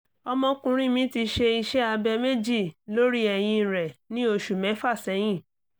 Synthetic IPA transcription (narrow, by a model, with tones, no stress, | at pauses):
ɔ˧mɔ̃˧kũ˧ɾ̃ĩ˦mĩ˦ti˧ʃe˧i˧ʃɛ˦a˧bɛ˧me˦d͡ʒi˦˨lo˦ɾi˦ɛ˨j̃ĩ˧˨ɾɛ˨nĩ˦o˧ʃu˨mɛ̃˨˦fa˦˨sɛ˨˧˦j̃ĩ˦˨